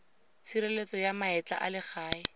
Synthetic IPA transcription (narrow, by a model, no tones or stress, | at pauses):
t͡sʰiɾelet͡sɔjamaɛt͡ɬa̰ʔa̰lɪχaːɪ